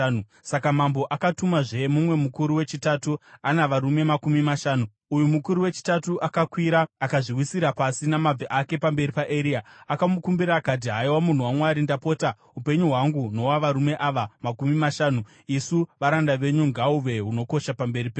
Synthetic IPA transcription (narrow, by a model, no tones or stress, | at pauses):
sakamambo̞ʔakatumaʐe̞mumwe̞mukuɾuwe̞t͡ʃitatuanaʋaɾume̞makumimaʃaːnu | ujumukuɾuwe̞t͡ʃi̥tatuʔakakwiɾaːkaʐiwisiɾapasinamab͡veʔake̞pambe̞ɾipaʔe̞ɾiːaakamukumbiɾaːkat̬iɦaiwamun̤uwamwaɾindapo̞ːta | upe̞ɲuɦwaŋɡuno̞waʋaɾume̞ʔaʋamakumimaʃaːnu | isuʋaɾandaʋe̞ɲuŋɡauʋe̞ɦuno̞ko̞ʃapambe̞ripe